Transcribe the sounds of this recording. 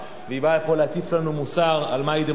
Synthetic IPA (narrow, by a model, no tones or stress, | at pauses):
veibapo̞leakiflanumusaʁalmaid̪e